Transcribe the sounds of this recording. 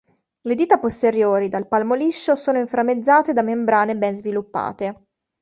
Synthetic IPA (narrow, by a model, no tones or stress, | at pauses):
led̪iːt̪apost̪eɾjoːɾid̪alpalmoliʃːosoːnoiɱfɾamed̪zːaːt̪ed̪amembɾaːnebɛnzvilupːa̰ːt̪e